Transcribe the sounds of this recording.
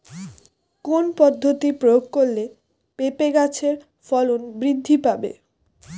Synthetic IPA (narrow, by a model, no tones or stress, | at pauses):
konpɔd̪ʱːot̪ipɾojoɡ̚koɾle | pepeɡat͡ɕʰeɾ | fɔlonbɾid̪ʱːipabḛ